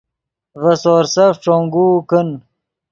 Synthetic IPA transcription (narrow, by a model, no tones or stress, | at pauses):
vɐsoːɾsɐfʈ͡ʂoŋɡuːkən